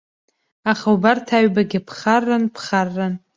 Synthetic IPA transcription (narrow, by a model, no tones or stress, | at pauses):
aχawbartʰaɥbaɡʲɪpʰχarːanpʰχarːan